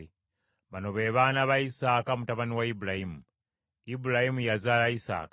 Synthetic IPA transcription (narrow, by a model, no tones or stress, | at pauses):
i | βano̞βeːβanaβaisaːkamutaβaniwaibulahimu | ibulahimujazaːlaisa̰ːkḁ